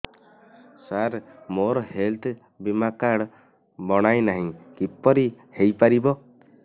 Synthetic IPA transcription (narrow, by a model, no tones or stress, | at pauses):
saɾmoɾɔhelt̪ʰ | bimakaɽ | bɔɽ̃ajnaɦĩkipɔɾi | hejpaɾibɔ